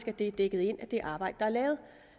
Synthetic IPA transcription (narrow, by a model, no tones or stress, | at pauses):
sɡ̥æd̥e̝d̥eɡ̥əð̩ˠe̝n̰æd̥e̝ʔɑ̈ːb̥ɑ̈ɪ̰d̥ə̥ɑ̈æɐlɛːʊð̩ˠ